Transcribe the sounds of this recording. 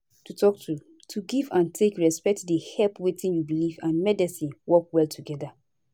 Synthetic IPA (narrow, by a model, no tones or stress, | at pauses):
tutʰɔk̚tʰu | tʰuɡivãntʰekɹɛspɛk̚tdehɛlpwetĩnjubilivãnmɛdisĩnwɔk̚wɛltʰuɡɛda